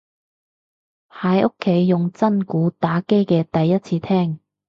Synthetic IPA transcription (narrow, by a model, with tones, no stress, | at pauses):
haː˨˧jʔʊ˥kʰːe˨˥jːʊ˨ŋt͡sɐ˥nkuː˨˥t̪aː˨˥ke˥jkɛː˧t̪ɐ˨jːɐ˥t̚t͡sʰiː˧t̪ʰɛː˥ŋ